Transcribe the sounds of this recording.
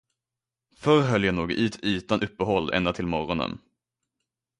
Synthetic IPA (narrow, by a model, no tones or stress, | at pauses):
fœɾɦœljanuːɡ̰ʔyːt̪ʰyːt̪anʔɵpːəɦɔlːʔɛ̰nd̪at̪ʰɪlmɔɾɔnə̰n